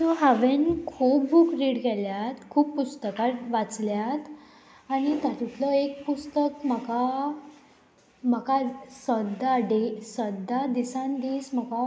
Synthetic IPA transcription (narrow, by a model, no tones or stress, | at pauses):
t̪ɔɦaʋenkʰuːpbukɾiːɽɡɛljat̪kʰuːppust̪əkaɾʋat͡sljat̪ | aɽ̃it̪at̪ut̪ləek̚pust̪əkm̤əka | m̤əkasəd̪aɖesəd̪ad̪isãnd̪iːsm̤əka